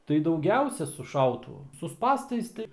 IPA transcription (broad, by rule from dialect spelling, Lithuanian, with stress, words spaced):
tɐɪ dɐʊˈɡʲɛʊsʲɛ sʊ ˈʃɐʊtʊʋʊ sʊ ˈspɑːstɐɪs tɐɪ